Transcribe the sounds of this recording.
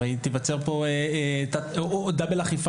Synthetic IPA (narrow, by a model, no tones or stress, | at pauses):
ait̪ivat͡seʁpoeet̪ad̪abelaχif